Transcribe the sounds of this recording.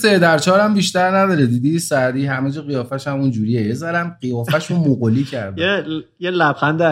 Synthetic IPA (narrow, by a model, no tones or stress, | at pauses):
sed̪æɾt͡ʃʰɒːɾæmbiʃt̪æɾnæd̪ɒːɾed̪iːd̪isæd̪iːɦæmed͡ʒɛɣijɒːfæʃæmund͡ʒuːɾijejezæɾænɢijɒːfæʃunmoɣoliːcʰæɾd̪ejelæbxænd̪